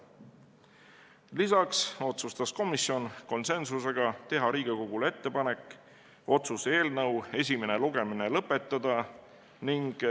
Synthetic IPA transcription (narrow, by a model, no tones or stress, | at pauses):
lisɑkso̞t̪sust̪ɑsko̞misjo̞nko̞nse̞nsuse̞ɡ̥ɑt̪e̞ɦɑɾiːɡ̥eko̞ɡ̥ule̞t̪ːe̞pɑne̞kːˑ | o̞t̪suseːlnɤwe̞s̬ʲime̞neluɡ̥e̞minelɤpːˑe̞t̪ːˑɑd̪̥ɑ | niŋɡ̥